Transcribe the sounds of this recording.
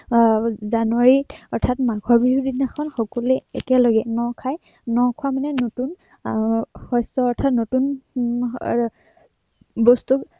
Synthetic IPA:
zanuwaɹiɔɹtʰatmaɡʱɔɹbiɦudinaxʰɔnxɔkɔlɛɛkɛlɔɡɛnɔkʰaj | nɔkʰʊamanɛnotun | hɔjsɔɔɹtʰatnotun | bɔstuk

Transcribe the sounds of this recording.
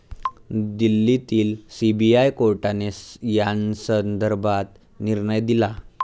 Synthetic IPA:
d̪ilːit̪iːlsibiajkoɾʈanejansənd̪əɾbʱat̪ | niɾɳəjd̪ila

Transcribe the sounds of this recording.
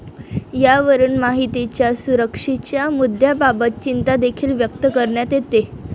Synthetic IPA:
jaʋəɾuːnmaɦit̪it͡ɕjasuɾəkʂit͡ɕjamud̪ʱjababət̪̚t͡ɕint̪ad̪ekʰiːlʋjəkt̪əkəɾɳjat̪et̪e

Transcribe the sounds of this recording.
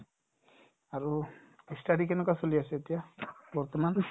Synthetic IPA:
aɾu | eksʈaɽikenɔkasoliaseet̪ijabɔɾt̪ɔman

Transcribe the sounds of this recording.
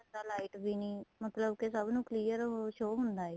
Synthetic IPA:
d̪aːlaːiʈbiːnĩːmət̪ləbkesəbnũːkliːəɾʃoːɦʊnd̪aːeː

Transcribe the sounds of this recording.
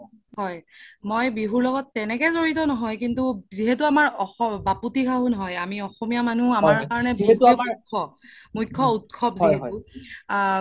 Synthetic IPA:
hɔjmojbiɦuɹlɔɡɔtːɛnɛkɛzoɹitɔnɔɦɔjkintuziɦɛtuamaɹɔxɔbaputikʰaɦunɔɦɔjamiɔxɔmijamanuamaɹkaɹɔnɛbumakʰːɔmukʰːɔutkʰɔpziɦɛu

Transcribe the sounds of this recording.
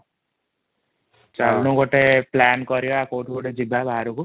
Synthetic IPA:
t͡ʃabnuɡoʈeplankɔɾjoakoʈɡoʈed͡ʒibʱabʱaɾuku

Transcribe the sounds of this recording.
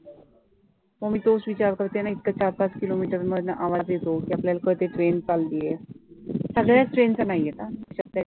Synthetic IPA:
məɡmiːt̪osʋit͡ɕaɾkəɾt̪enait̪̚kat͡ɕaɾpat͡skilomiʈəɾməd̪nəʔaʋad͡zd̪jet̪okiapljalakəɾt̪eʈɾent͡sallie | səɡɭjasʈɾent͡sanaiet̪aiɕək̚t̪a

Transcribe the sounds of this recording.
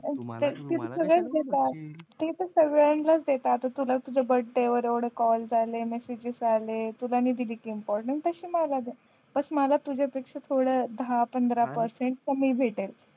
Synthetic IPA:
t̪et̪it̪səɡɭət͡sd̪et̪at̪et̪əɾsəʋeɭəɳʈlət͡sd̪et̪aːt̪at̪ulat̪ud͡ʑʱabəɽʈeʋəɾeʋɽekɔld͡zalemesid͡ʑisalet̪ulaniːd̪ilikiːmpɔɾʈəɳʈt̪əɕiːmalad̪e | b̥əsməlat̪ud͡ʑʱapekʂat̪ʰoɽəd̪apənd̪ɾapəɾseɳʈkəmiːbʱeʈel

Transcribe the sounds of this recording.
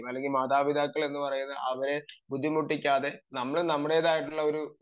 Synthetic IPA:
mɐlːe̞ŋɡilmaːd̪aːʋid̪ʱaːkːɐɭe̞nːɨpɐrɐjunːɐɐʋɐɾe̞bud̪ʱːimuʈːikʲːaːðe̞nɐmːɐɭnɐmːuɽe̞ːðaːjiʈːuɭːɐo̞ɾu

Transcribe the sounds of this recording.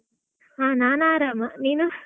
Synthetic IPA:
ɦaːnaːnaːɾaːmɐniːnu

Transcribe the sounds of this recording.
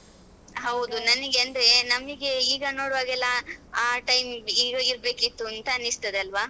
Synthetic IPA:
ɦɐwd̪unɐniɡeɐnd̪ɾenɐmɡiɡeiːɡɐnoːɽʋaːɡɛlːɐaːʈɐjmiːɡɐiɾbe̞ːkit̪ːuɐnt̪ɐːnːist̪ɐd̪eɐlʋaː

